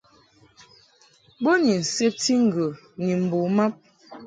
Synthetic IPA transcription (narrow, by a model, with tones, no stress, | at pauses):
bo˦ni˨n̩˨se˦p̚ti˦ŋ̩˨ɡə˨ | ni˨m̩˨bo˨ma˦p̚